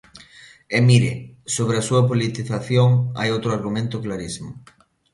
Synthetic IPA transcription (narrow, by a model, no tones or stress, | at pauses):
emiɾɪsoβ̞ɾɪɐsuɐpolit̪iθaθjoŋa̰jowt̪ɾʊaɾɣumẽnt̪ʊklaɾisimʊ